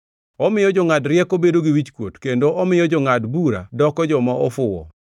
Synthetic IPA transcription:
ɔmɪjɔd͡ʒɔŋadɾjɛkobedoɡiwit͡ʃkwotkendoʔɔmɪjɔd͡ʒɔŋadbuɾa̰dɔkɔd͡ʒɔmaɔfʊwɔ̰

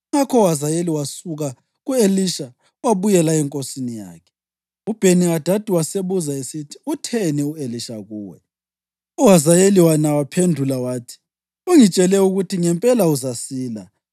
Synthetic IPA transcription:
ŋakʰɔuɦazajeliwasuɣa | ɣueliʃa | waβujɛlaɛŋkʼosinija̰ːkʰɛ̥ | ub̥ʱeniad̥ʱad̥ʱiwaseβuzaesitʰi̥utʰɛnɛueliʃaɣuːwɛ̰ | uɦazajeliwanawapʰendʱulawaːtʰi̥ | uŋit͡ʃʼɛlɛuɣutʰiŋɛmpʼɛlauzasiːla̰

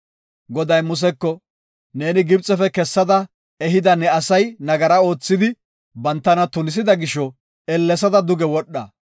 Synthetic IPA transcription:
ɡɔd̪ɐjmʊs̬ɛkːɔ | ne̞ːnɪɡɪbt͡sʼːɛfɛkɛsːɐd̪ɐ | ɛɦɪd̪ɐnɛɐsɐjnɐɡɐɾɐo̞ːt͡sːɪd̪ɪ | bɐnt̪ːɐnɐt̪ʊnɪs̬ɪd̪ɐɡɪʃɔ | ɛlːɛs̬ɐd̪ɐd̪ʊɡɛwɔɗːɐ

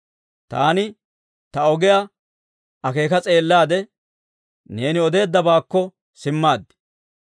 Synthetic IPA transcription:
t̪aːnɪ | t̪ɐɔɡɛja | ɐke̞ːkɐt͡sʼe̞ːlːaːd̪ɛ | neːnɪɔd̪e̞ːd̪ːɐbaːkːɔ | sɪmːaːd̪ːɪ̥

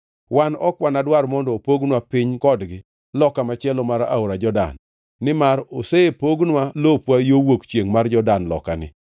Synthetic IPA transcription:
wanɔkwanadwarmɔndɔpoɡnwapɪɲkɔdɡɪ | lɔkamat͡ʃɛlɔmaɾa̰oɾad͡ʒɔda̰nː | ɪmaɾoseepoɡnwalopwajowokt͡ʃjeŋmard͡ʒɔdanlɔ̰kanɪ̰

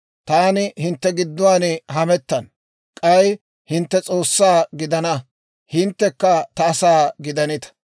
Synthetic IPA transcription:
t̪aːnɪhɪnt̪ːɛɡɪd̪ːʊwaːnɛɦɐmɛt̪ːɐn | kʼɐj | hɪnt̪ːɛt͡sʼo̞ːsːaːɡɪd̪ɐnɐ | hɪnt̪ːɛkːɐt̪ɐːsaːɡɪd̪ɐnɪt̪ɐ̥

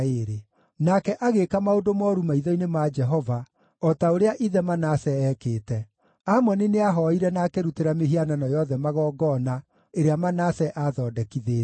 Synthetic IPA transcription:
eɾe | nakɛʔaɣekamaodomɔːɾumaiðɔinemad͡ʒɛɦɔva | ɔtaoɾeaʔiðɛmanasɛɛkeːtɛ | amɔnineaɦɔiɾɛnaːkeɾuteɾameɦiananɔjɔðɛmaɣɔːɡɔna | eɾeamanasɛʔaðɔːdɛkiðeː

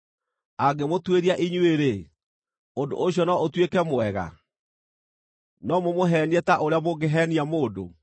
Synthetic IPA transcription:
aɡemotweɾiaʔiɲueɾe | ondo̰ʔoɕjɔnɔotwekɛmoɛɣa̰ | nɔmomoɦɛniɛtaʔoɾeaboɡeɦɛniamoːdo̰

